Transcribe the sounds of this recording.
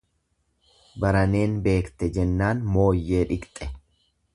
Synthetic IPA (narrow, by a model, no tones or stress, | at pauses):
bɐɾɐne̞ːnbe̞ːkt̪ɛd͡ʒɛnːaːnmo̞ːjːe̞ːᶑɪkt̪ʼːɛ